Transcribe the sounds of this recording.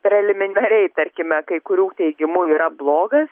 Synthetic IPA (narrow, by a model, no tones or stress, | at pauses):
pʲɾʲɛlʲɪmʲɪnʲɐɾʲɛɪt̪ɐɾʲkʲɪmʲɛkɐɪkʊɾʲuːt̪ʲɛɪɡʲɪmuːiːɾɐblˠoːɡɐs